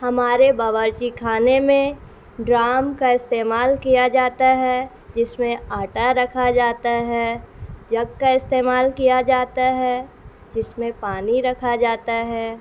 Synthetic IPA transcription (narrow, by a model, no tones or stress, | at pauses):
hɐmaːɾebɐʋəɾt͡ʃikʰaːnemẽ | ɖɾaːmkaɪst̪eːmaːlkijad͡ʒaːt̪aɦɛ | d͡ʒɪsmẽaːʈaɾɐkʰad͡ʒaːt̪aɦɛːd͡ʒɐɡkaɪst̪eːmaːlkijad͡ʒaːt̪aɦɛː | d͡ʒɪsmẽpaːniɾɐkʰad͡ʒaːt̪aɦɛː